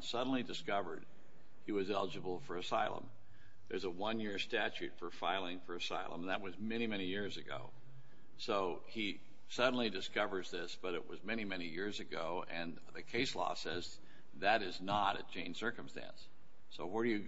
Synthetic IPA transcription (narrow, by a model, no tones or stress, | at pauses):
sʌdⁿn̩lidɨskʌvə̰˞d̚ | hiwʌzɛlˠəd͡ʒɨbl̩ˠfə˞ɨsaɪlˠə̰̃m | ðə˞zəwʌ̃njɪɹstæt͡ʃʉtfə˞faɪlˠɪ̃ŋfə˞ɨsa̰ɪlˠə̃m̃n̩ðət̚wʌzmɛnimɛɾ̃ijɪɹzɨɡo̰ʊ | soʊ | i | sʌdⁿn̩lidɨskʌvə˞zðɪsb̥ʌɾɨʔ̚wʌ̰zmɛñimɛñijɪɹzɨɡoʊʔɨ̃n | ðɨkʰeɪslɔ̰sɛz | ðɨɾɨznəɾɨ̰t͡ʃʰẽɪ̃n̥sɜ˞kə̃m̩stæ̰̃nsː | oʊwə˞ɾɨjɨ